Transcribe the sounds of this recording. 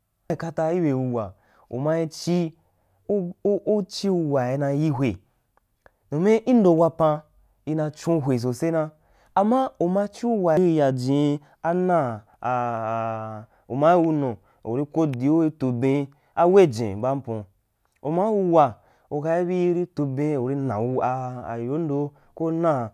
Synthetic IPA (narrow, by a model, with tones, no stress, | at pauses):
i˨ka˧ta˧i˦be˨wu˧wa̰˨ | ṵ˨ma˧i˧t͡ʃi˦ | u˦t͡ʃi˦u˧wa˨i˧nã˧ji˦ɦʷe˨ | no˨me˦ʔi˦n̩˦do˨˧wa˧pã˧ | i˧nã˧t͡ʃũ˦ɦʷe˨s̬o˨se˦nã˧ | a˨ma˦u˨ma˧˦t͡ʃi˦u˦wa˨i˦i˧ja˨d͡ʒĩ˨˧ | a˦nã˦˨ | u˨ma˦wu˧nõ˨ | o̰˨ɾi˧ko˦di˨˦o˦i˧to˧bẽ˧˦ | a˦we˦˨d͡ʒḛ̃˨ba˦m̩˦põ̰˧ | o˨ma˦u˧wa˨ | o˨ka˧i˦bi˦ɾi˦to˧bẽ˧o˨ɾi˧nã̰˨u˧a̰˧˨jo˨˦n˦do˧ | ko˦nã˦